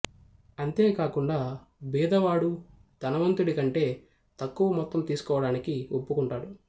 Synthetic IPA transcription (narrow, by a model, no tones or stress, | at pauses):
ɐnt̪e̞ːkaːkuɳɖaː | biːd̪ɐʋaːɽu | d̪ɐnɐʋɐnt̪uɽikɐɳʈe̞ː | t̪ɐkːuʋɐmɔt̪ːɐmt̪iːsu̥kɔːʋɐɽaːnikiopːukuɳʈaːɽu